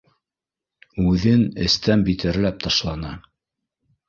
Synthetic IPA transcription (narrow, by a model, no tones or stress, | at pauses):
ʉðɘnɘ̰̆st̪ænbit̪ɘ̆ɾlæp̚t̪ɑʃlˠɑnɑ